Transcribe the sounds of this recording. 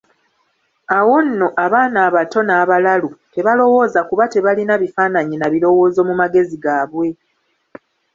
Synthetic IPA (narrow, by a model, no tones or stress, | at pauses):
awo̞nːo̞ʔaβaːnaːβato̞naːβalalute̞βalo̞wo̞ːzakuβate̞βalinaβifaːnaɲinaβilo̞wo̞ːzo̞mumaɡe̞ziɡaːβwe̞